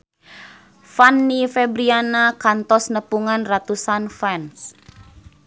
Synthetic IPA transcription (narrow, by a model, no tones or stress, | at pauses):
fanːifɛbɾianakant̪ɔsnəpuŋanrat̪usanfɛns